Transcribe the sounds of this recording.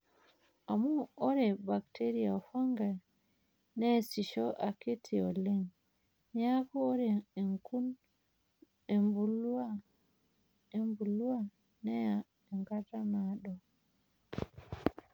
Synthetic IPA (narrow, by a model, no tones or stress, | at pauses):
amuɔɾɛbaktʰeɾiafaŋɡa | nɛsiʃɔʔaketʰiɔlɛŋ | ɲakuɔɾɛŋkun | ɛmbulua | ɛmbuluwa | nɛja | ɛŋɡatamaɗɔ